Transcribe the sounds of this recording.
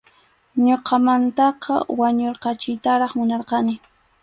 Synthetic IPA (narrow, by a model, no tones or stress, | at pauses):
ɲoqɑmant̪ɑqʰɑ̰waɲoɾqɑt͡ʃɪjt̪aɾɑχmʊnɑɾqɑnɪ